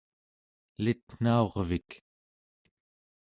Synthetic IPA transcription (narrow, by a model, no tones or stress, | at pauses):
lit̪n̥ao̞ʁvik